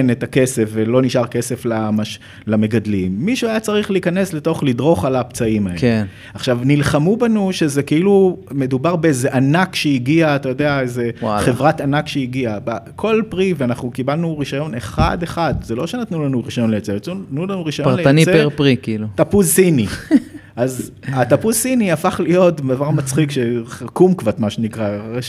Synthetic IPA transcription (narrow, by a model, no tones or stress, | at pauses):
net̪ake̞se̞fvelo̞niʃaʁke̞se̞flamaʃ | lame̞ɡadlimːiʃuajat͡saʁiχliikane̞sle̞to̞χlidʁo̞χalapt͡saimaee | aχʃavnilχamubanuʃe̞zekiilume̞d̪ubaʁbeeze̞ʔanakʃeiɡiaːtajo̞d̪eaeze̞aχevʁatanakʃeiɡiabakʰo̞lpʁiveanaχnukibalnuʁiʃajo̞neχa̰d̪e̞χad̪zelo̞ʃenat̪nulanuʁiʃajo̞nlejot͡sejot̪nutnulanuʁiʃajoʁnlejaoniseeʁpʁikiilut̪apuzsiniʔazat̪apuzsiniafaχlijo̞tbd̪avaʁmat͡sχikʃekumkvat̪maʃenikʁaʁe